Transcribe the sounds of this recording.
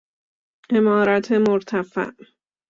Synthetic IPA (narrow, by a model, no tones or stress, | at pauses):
ʔemɒːɾæt̪ʰemoɾt̪ʰæfæ̰ʔ